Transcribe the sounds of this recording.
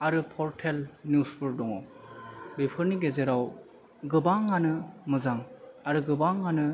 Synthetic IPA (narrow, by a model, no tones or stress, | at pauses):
aɾɯpʰɔɾtʰelnjusbɯɾdɔŋɔ | bepʰɯɾniɡezeɾaw | ɡɯbaŋːanɯmɯzaŋaɾɯɡɯbaŋanɯ